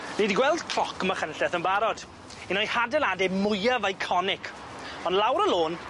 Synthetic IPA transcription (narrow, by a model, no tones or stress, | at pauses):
nidiɡwɛlˠdkʰr̥ɔkməχənɬɛθənbaɾɔd̥ | inɔjhadɛladɛmʊjavajkʰɔnɪkʰ | ɔndlawɾəlˠoːn